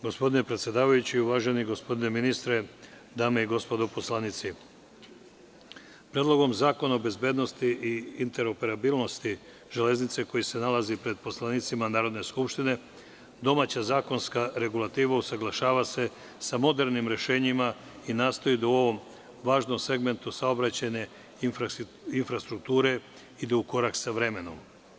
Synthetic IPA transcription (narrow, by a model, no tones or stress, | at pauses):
ɡo̞spo̞d̪ine̞pɾet̪sʲje̞d̪aːʋajut͡ɕiuʋaːʒe̞niɡo̞spo̞d̪ine̞minist̪ɾe | d̪aːme̞iɡo̞spo̞d̪opo̞slˠanit̪si | pɾed̪lo̞ɡo̞mzaːko̞naobe̞zbje̞ːd̪no̞st̪iʔiint̪e̞ɾo̞pe̞ɾabilˠno̞st̪i | ʒ̥ele̞znit̪se̞ko̞jise̞nalazipɾe̞d̪̚po̞slˠaniːt̪simanaːɾo̞d̪ne̞skupʃt̪ine̞ | d̪o̞maːt͡ɕazaːko̞nskaɾe̞ɡulˠat̪iːʋausaɡlˠaʃaːʋase̞ | samo̞d̪e̞ɾnimɾe̞ʃe̞ːɲima | inaːst̪o̞id̪auo̞ʋo̞m | ʋaːʒno̞mse̞ɡme̞nt̪usao̞bɾat͡ɕaɲe̞ | infɾast̪ɾuk̚t̪uːɾe̞ | id̪euko̞ɾaksaʋɾe̞me̞no̞̰m